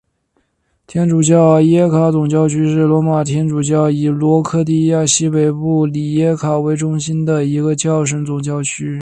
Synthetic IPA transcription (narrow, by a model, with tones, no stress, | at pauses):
t̪ʰjɛ˥nʈ͡ʂu˨˩t͡ɕjɑ˥˩ʊjɛ˥kʰa˧˥t͡sʊ˨˩ŋt͡ɕjɑ˥ʊt͡ɕʰy˥ʂɻ̩˥˩lwɔ˧˥ma˨˩t̪ʰjɛ˥nʈ͡ʂu˨˩t͡ɕjɑ˥˩ʊi˨˩lwɔ˧˥kʰɤ˥˧t̪i˥ja˥˩ɕi˥pe˨˩ɪpu˥˩li˨˩jɛ˥kʰa˨˩we˧˥ɪʈ͡ʂʊ˥ŋɕi˥nd̪ə˨i˧˥ɡə˧t͡ɕjɑ˥˩ʊʂ̬ə˧˥ŋt͡sʊ˨˩ŋt͡ɕjɑ˥˧ʊt͡ɕʰy˥